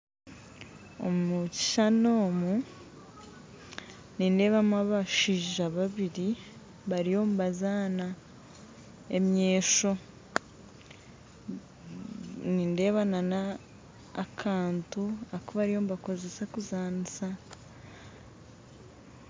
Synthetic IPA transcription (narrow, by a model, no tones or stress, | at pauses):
omuci̥ʃanoːmu | ninde̞βamaβaʃiʒaβaβiɾi | βaɾijo̞mbazaːna | e̞mɲeːʃo̞ | niːnde̞ːβananaː | kʰaːntuakoβaɾijo̞mbako̞zesakuzaːnisa